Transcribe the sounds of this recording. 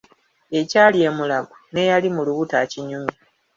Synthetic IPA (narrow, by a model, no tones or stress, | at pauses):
e̞caːlie̞mulaβune̞jalimuluβutaciɲumi